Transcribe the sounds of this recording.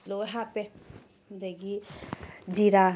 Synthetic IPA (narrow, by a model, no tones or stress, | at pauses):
loɦape | d̪eɡi | d͡ʒiɾa